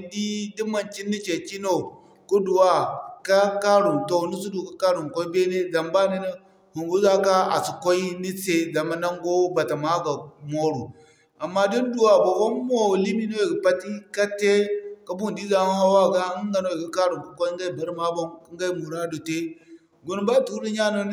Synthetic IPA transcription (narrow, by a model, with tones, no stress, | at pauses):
di˦di˦ma˨nt͡ʃi˦nːi˦t͡ʃe˨ki˦no˦˨ | ku˦du˨wa˦ka˦ka˦ɾu˨nto˦nu˦su˦du˨ka˦ka˦ɾu˨ŋko˦i˦be˦ne˦za˨mba˦ne˦ni˦ | hu˨ŋɡu˦za˦ka˦a̰˨su˨ko˦i˦ni˦se˦za˨ma˦na˦ŋɡo˦ba˨ta˨ma˦ɡa˨mo˦ɾu˨ | a˨mːa˦di˦n˦du˨wa˨bo˨ko˦mo˦˨li˦mi˦no˦je˨ɡi˨pa˦ti˦ka˦te˦ka˦bu˦n˨di˦ɡa˨˦ha˦wa˦˨ɡa˦ŋɡa˨no˦i˨ɡi˦ka˦ɾu˨ku˨ko˦i˦ŋɡa˦i˨be˨ɾma˦bo˦ŋki˦ŋɡa˦i˦mu˨ɾa˦do˨te˦ | ɡu˦n˦ba˦˨tu˦ɾu˦ɲa˦no˨˦